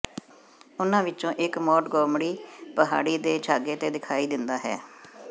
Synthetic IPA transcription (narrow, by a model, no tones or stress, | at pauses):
ʊnãːʋɪt͡ʃõːʔɪkmɔːʈɡɔːmɽiːpəɦa̰ːɽiːd̪eːt͡ʃʰaːɡeːt̪eːd̪ɪkʰaːiːd̪ɪnd̪aːɦɛ̰ː